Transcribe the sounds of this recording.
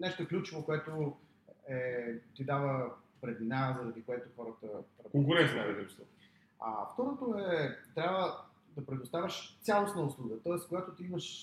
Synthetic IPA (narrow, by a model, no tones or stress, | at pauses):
nɛʃt̪oɛklʲut͡ʃovokoɛt̪o | ɛt̪id̪avəpɾɛd̪inazɐɾɐd̪ikoɛt̪oxɔɾət̪əɾɐkoŋkʊɾɛnt̪naid̪ɾuʒst̪vo | a̰ft̪ɔɾot̪oɛt̪ɾʲabvə | d̪ɐpɾɛd̪ost̪avʲəʃt̪sʲjalˠosnəʊslˠuɡət̪ɔəskoɡat̪ʊt̪iiməʃ